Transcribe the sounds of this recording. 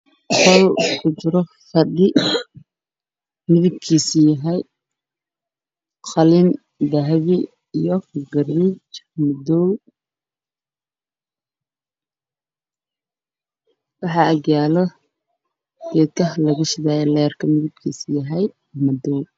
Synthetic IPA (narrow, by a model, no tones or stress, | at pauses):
qɔlkʰʊt͡ʃɪɾɔ | fɐdɪ | mɪðɪb̚kʰiːsɪjɐɦɛj | qʰɑlɪn | d̪ɐɦβɪ | ijɔɡɐriːt͡ʃmɐd̪ɔw | wɑħɑɐɡjaːlɔ | ɡɛːd̪kʰɐɦlɐɣɐʃɪðaːjɛlɛːrkʰɐmɪðɪb̚kʰiːsɪjɐɦɛj | mɐd̪ɔw